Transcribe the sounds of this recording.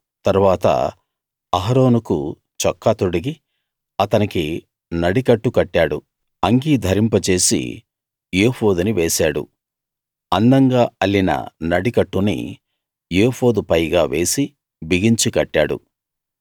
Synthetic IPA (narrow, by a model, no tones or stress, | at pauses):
t̪ɐɾuʋaːt̪ɐ̰ | ɐɦɐɾo̞ːnukṵ | t͡ʃɔkːɐt̪oɽɐɡi | ɐt̪ɐniki | nɐɽikɐʈːukɐʈːaːɽu | ɐŋɡiːd̪ʱɐɾimpɐt͡ʃe̞ːsḭ | jeːho̞ːd̪uniʋeːsaːɽṵ | ɐnd̪ɐŋɡaːɐlːinɐ̰nɐɽikɐʈːunḭ | jeːpo̞ːd̪upɐjɡaːʋeːsi | biɡiɲt͡ʃikɐʈːaːɽṵ